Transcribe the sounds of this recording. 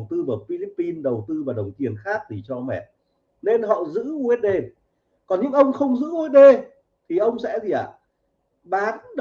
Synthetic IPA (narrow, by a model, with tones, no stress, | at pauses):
wt̪ɨ˧vaː˨˩fi˧li˦˥pːi˧nɗə˨˩wt̪ɨ˧vaː˨˩ɗə˨˩wŋ͡mt̪i˨˩ənxaː˦˥k̚t̪ʰi˨˩t͡ɕɔ˧mɛ̰˧˩t̚ | ne˧nɦɔ̰˧˨zɨ̰˧˥u˧˦˥t̚ɗe˧ | kɔ˨˩nɲɨ̰˧˥ŋʔə˧wŋ͡mxə˧wŋ͡mzɨ̰˧˥u˧e˦˥t̚ɗe˧ | t̪ʰi˨˩ʔə˧wŋ͡msɛ̰˧˥zi˨˩ʔaː˧˨˩ | ɓaː˨˦nɗ